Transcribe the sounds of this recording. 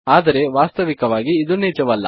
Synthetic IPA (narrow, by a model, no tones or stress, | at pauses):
aːd̪ɐɾe̞ʋaːst̪ɐʋikɐʋaːɡiːd̪unɛːd͡ʒɐʋɐlːɐ̰